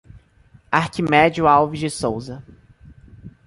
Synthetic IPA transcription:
aɾkimɛd͡ʒiʊawviʒd͡ʒɪsowzɐ

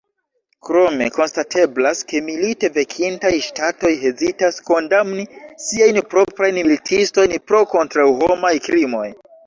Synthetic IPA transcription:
kɾo̞me̞ko̞nstatʰe̞blaske̞milite̞ve̞kʰintajʃtato̞jɦe̞zitasko̞ndamnisiajnpɾo̞pɾajnmilitʰisto̞jnpɾo̞ko̞ntɾawɦo̞majkɾimo̞j

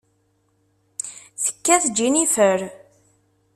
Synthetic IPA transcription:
θə̥kːæθəd͡ʒːinifəɾ

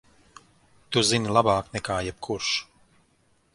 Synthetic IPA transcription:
t̪uzinilˠabaːknɛkaːjɛb̥̚kʰuɾʃ

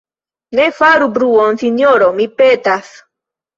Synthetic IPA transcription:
nefaɾubɾuonθinjoɾomipet̪aθ

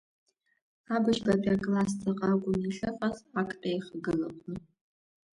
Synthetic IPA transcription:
abɨʃbɐbʲʼakʼlastʰɐqʼɑːɡʷʊmiɬɐfɐzakʼtʼɐjχəɡɨlɐkʷʼnɨ

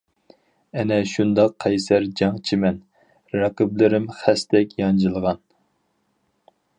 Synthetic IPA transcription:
ɛnɛʃund̪ɑqʰːɛjsæɾd͡ʒɑŋt͡ʃʰimɛn | ɾɑqɨblɪɾɪmχæst̪ɛkʲjɑnd͡ʒɨlˠəʁɑn

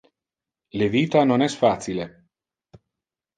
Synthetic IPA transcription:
leviːt̪anonɛsfasile

